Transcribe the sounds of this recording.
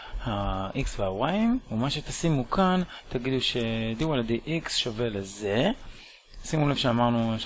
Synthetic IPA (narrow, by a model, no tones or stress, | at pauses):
haʔiksveaoʁaimumaʃe̞t̪asimukant̪aɡid̪uʃe̞d̪iwaled̪eʔiksʃove̞leze̞ | simulevʃeamaʁnu